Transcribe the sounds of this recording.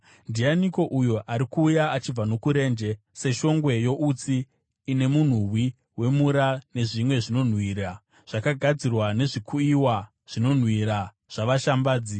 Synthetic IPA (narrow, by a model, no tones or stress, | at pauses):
ndianiko̞ʔujoʔaɾikuːjaat͡ʃib͡vano̞kuɾe̞ːnd͡ʒe̞ | se̞ʃo̞ŋɡwe̞jo̞ʔut͡siː | ne̞mun̤uwi | we̞muɾane̞ʐimwe̞ʐino̞n̤wiːɾa | ʐ̥akaɡʱad͡zirwane̞ʐikʰuiwa | ʐ̥ino̞n̤wiɾa | ʐ̥aʋaʃambaːd͡zi